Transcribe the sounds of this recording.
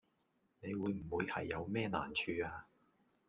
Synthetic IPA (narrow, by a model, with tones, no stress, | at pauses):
ne˨˧jwuː˨˧jm̩˨˩wuː˨˧jhɐ̰˨jːɐ˨˧wmɛː˥na̰ː˨˩nt͡ʃʰyː˨˧aː˧